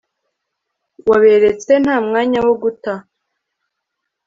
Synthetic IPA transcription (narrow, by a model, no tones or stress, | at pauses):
waβe̞ɾet͡se̞n̥haːmŋaːɲawoɡuta